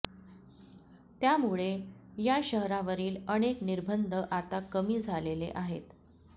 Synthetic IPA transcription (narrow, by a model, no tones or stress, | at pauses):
t̪jamuɭejaɕəɦɾaʋəɾiːləɽ̃ekniɾbʱənd̪ʱəʔat̪akəmiːd͡zʱalelḛʔaɦḛt̪